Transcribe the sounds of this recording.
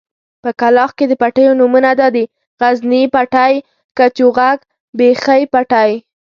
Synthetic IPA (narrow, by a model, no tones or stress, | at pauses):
pəkalɑxked̪əpaʈəjonumunad̪ɑd̪i | ɣaznipaʈaj | kat͡ʃuɣaɡ | bexəjpaʈaj